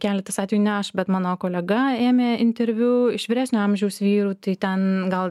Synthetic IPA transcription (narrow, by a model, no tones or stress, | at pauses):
kʲæːlʲɛt̪ɐsɑːt̪ʋʲeːjuːnʲɛɐʃbʲɛt̪mɑːnoːkoːlʲɛɡɐeːmʲeːɪnʲt̪ʲɛɾʲʋʲuːɪʃʋʲɪɾʲæːsʲnʲʊɐmʲʒʲɛʊsʋʲiːɾuːt̪ɐɪt̪ʲɛnɡɐlˠ